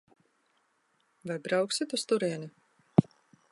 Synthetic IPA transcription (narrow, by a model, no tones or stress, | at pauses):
vajbɾawksit̪ust̪uɾiɛni